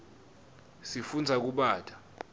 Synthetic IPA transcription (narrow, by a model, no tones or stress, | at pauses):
sifund͡zʱak̬uɓaːtʰʼa